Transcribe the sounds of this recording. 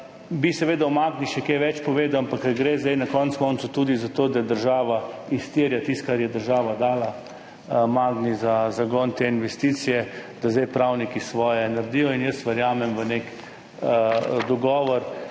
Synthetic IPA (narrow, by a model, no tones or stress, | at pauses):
bisɛʋeːd̪awmaɡniʃɛkeʋɛt͡ʃpɔʋeːd̪awampakːəɡɾeːzd̪ejnakɔnt̪skɔnt̪sut̪uːd̪izat̪oːd̪ajɛd̪əɾʒaːʋaist̪iːɾjat̪ist̪̚kaɾjɛd̪əɾʒaːʋad̪aːla | maːɡnizazaɡɔnt̪einʋɛst̪it̪sijɛd̪azd̪ɛjpɾawnikisʋɔːjɛnɐɾd̪ijɔinjəsʋəɾjaːmɛmʋənek | d̪ɔɡɔːʋɔɾ